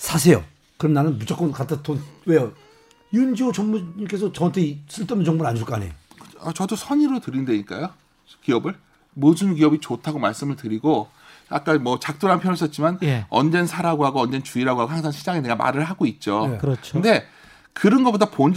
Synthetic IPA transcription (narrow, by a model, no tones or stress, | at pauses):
sʰas̬ʰe̞jo̰ | kɯɾʌmnanɯnmut͡ɕ͈ʰak͈ʌnkatʰɯtʰonwe̞jo | jund͡ʑiot͡ɕʌmmuɲik͈e̞sʰʌt͡ɕʌʌntʰes͈ɯɭt͈ʌmnd͡ʑʌŋboɾaɲʰuɭk͈anejoat͡ɕʌdosʰʌɲiɾotɯɾindweɲik͈a̰jo | kiʌbɯɭ | modɯnkiʌbit͡ɕotʰaɡomaɭs͈ɯmɯɭtɯɾiɡo | a̰k̚k͈anmʌt͡ɕak̚t͈oɾanpʰjʌnos͈ʰʌt̚t͡ɕ͈imanjʌ̰nd͡ʑe̞nsʰaɾaɡoɦaɡoʌnd͡ʑe̞nt͡ɕuiɾaɡoɦaɡohaŋsʰaŋɕʰid͡ʑaŋeneɡama̰ɾɯɭɦaɡoit̚t͡ɕ͈okɯɾʌkt͡ɕʰɯnde̞ | kɯɾʌnɡʌpodapon